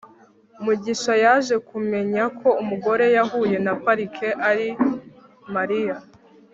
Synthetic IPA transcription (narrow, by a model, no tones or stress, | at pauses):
umuɟiʃajaʒe̞kume̞ɲakʰo̞umuɡo̞ɾe̞jaɦuːje̞napaɾikʰe̞ʔaɾi | maɾija